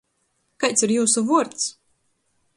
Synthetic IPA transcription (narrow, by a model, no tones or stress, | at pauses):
kajt̪siɾjuːsuvuɔɾt̪s